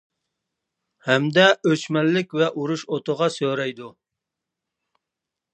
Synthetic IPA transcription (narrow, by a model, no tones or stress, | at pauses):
hɛmd̪ɛøt͡ʃmɛlːɪkʲvɛʔuɾuʃot̪ʊʁɑsøɾɛjd̪u